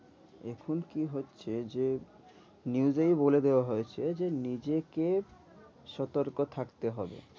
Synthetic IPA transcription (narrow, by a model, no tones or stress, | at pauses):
ekʰunkiɦotːɕʰed͡ʑe | niuzejboled̪eoaɦojet͡ɕʰed͡ʑenid͡ʑeke | ʃɔt̪oɾkot̪ʰakt̪eɦɔbḛ